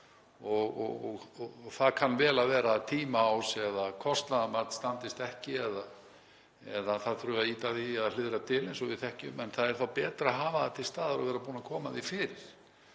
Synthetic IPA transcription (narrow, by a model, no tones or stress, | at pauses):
ɔɣɔ̰ɣɔɣɔθaðkʰanːvɛːlavɛːɾat̪ʰiːmaːwsɛðakʰɔst̪naðamaɾt̪nst̪ant̪ɪst̪ɛhcɪɛða | ɛðaθaðθɾʏːaiːt̪aðiɛðlɪðɾat̪ʰɪlɪnsɔvɪðθɛhcɪʏmɛnθaðɛɾ̥θawpɛːt̪ɾaɦaːvaðat̪ʰɪlst̪aːðaɾavɛːɾap̬uːnakʰɔːmaðifɪːɾɪɾ̥